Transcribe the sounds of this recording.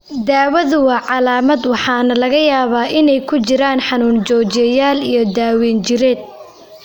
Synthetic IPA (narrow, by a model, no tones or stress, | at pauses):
d̪aːwɐðʊwɑːʕɑlaːmɐd̪wɑħɑːnɐlɐɣɐjaːβaːʔɪnɛjkʰʊt͡ʃɪɾaːnħɑnuːnt͡ʃɔːt͡ʃɛjaːlijɞd̪aːwɛːnt͡ʃɪɾɛːd̪̚